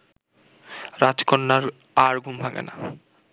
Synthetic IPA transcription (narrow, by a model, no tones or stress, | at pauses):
ɾad͡ʑkonːaɾ | aɾɡʱumbʱaɡḛna̰